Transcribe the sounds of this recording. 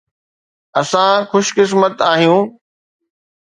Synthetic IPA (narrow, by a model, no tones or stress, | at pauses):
ɐsãxʊʃkɪs̬mət̪aːɦijũː